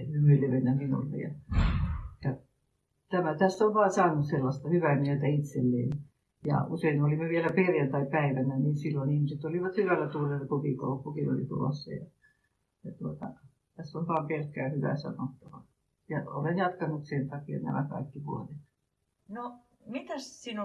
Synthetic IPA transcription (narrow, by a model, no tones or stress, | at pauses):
ymyleʋenːæminṵlːḛjɑ̰ | jɑ | t̪æmæt̪æsːoʋʋɑːsɑːnut̪selːɑst̪ɑhyʋæmiøt̪æit̪selːḛːn | jɑ̰useinolimeʋielæperjænt̪ɑipæiʋænæninsilːoinihmiset̪oliʋɑt̪hyʋælːæt̪urelːɑkokiko̰upːukino̰lḭt̪ṵlo̰sːɑ̰jɑ | jɑt̪uot̪ɑ | t̪æsːonʋɑːmperkːæːhyʋæ̰sɑ̰not̪ːɑʋɑ | jɑo̰lenjɑt̪kɑnut̪sent̪ɑkiɑ̰næ̰mæ̰kɑ̰ikːiʋuonet̪ | no | mit̪æssin